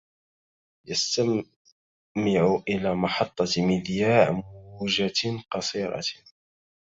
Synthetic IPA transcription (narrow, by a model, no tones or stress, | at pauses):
jast̪a | mɪʕʊʔɪlaːmɑħɑt̪ˤːɑmɪd̪jaːʕmuʒaqɑsˤiːɾˤɑ̰